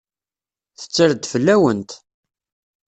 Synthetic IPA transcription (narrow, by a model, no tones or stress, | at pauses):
θə̥t͡sːəɾd̪fəlːæwənt̪